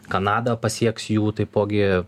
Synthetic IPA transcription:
kɐnɑːd̪ɐpɐsʲiɛksjuːt̪ɐɪpoːɡʲɪ

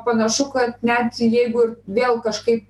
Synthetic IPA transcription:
pɐnɐʃʊkɐt̪nʲɛt̪jɛɪɡʊɪrʋʲeːlˠkɐʃkɐɪp

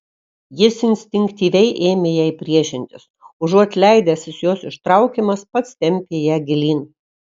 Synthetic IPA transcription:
jɪsɪnʲsʲt̪ʲɪŋʲkʲt̪ʲiːʋʲɛɪʔeːmʲejæːɪpʲɾʲiɛʃʲɪnʲt̪ʲɪsʊʒuɔt̪ʲlʲɛɪd̪ʲæsʲɪsjoːsɪʃt̪ɾɑˑʊkʲemɐspɐt̪st̪ʲɛmʲpʲeːjæːɡʲɪlʲiːn

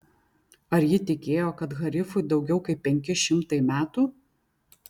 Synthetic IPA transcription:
ɐɾjɪt̪ʲɪkʲeːjoːkɐt̪ɣɐɾʲɪfʊɪd̪ɒʊɡʲɛʊkɐɪpːʲɛŋʲkʲɪʃʲɪmt̪ɐɪmʲæːt̪uː

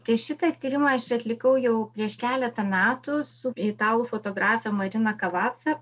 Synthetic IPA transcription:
t̪ʲɐɪʃʲɪt̪ɐt̪ʲiːɾʲɪmɐɐʃt͡ʃʲɐt̪ʲlʲɪkɐʊjɛʊpʲɾʲiɛʃkʲæːlʲɛt̪ɐmʲæːt̪ʊsʊɾʲɛɪt̪ɑːlˠuːfoːt̪oːɡɾɑːfʲɛmɐɾʲɪnɐkɐʋɑːt̪sɐ

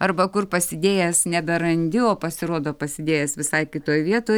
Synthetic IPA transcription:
ɐrbɐkʊrpɐsʲɪd̪ʲeːjɛsnʲɛbʲɛɾɐnʲd̪ʲɪoːpɐsʲɪɾoːd̪oːpɐsʲɪd̪ʲeːjɛsʋʲɪsɐɪkʲɪt̪oːjʋʲiɛt̪oː

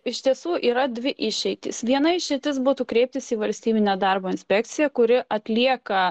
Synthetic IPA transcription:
ɪʃt̪ʲiɛsuːʔiːɾɐd̪ʲʋʲɪʔɪʃʲɛɪt̪ʲɪ̰sʋʲiɛnɐɪʃʲɛɪt̪ʲɪsbuːt̪uːkɾʲɛɪp̚t̪ʲɪsiːʋɐlʲsʲt̪ʲiːbʲɪnʲeːd̪ɐrboːɪnʲsʲpʲɛk̚t̪sʲɪjɛkʊɾʲɪʔɐt̪ʲlʲiɛkɐ

